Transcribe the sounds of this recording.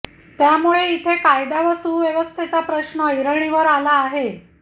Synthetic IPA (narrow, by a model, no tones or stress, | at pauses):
t̪jamuɭeit̪ʰekajd̪aʋəsuːʋjeʋəst̪ʰet͡sapɾəɕɳəiɾəɳ̃iʋəɾalaːɦe